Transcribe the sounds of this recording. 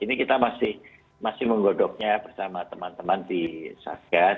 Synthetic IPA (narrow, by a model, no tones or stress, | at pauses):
inikit̪amasɪh | masɪhməŋɡodɔk̚ɲabərsamat̪əmant̪əmandisa̰ɡ̥a